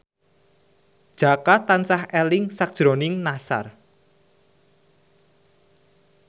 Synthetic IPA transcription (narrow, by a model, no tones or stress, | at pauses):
d̥ʒ̥a̤kat̪ansahɛlɪŋsak̚d̥ʒ̥ɾonɪŋnasa̰r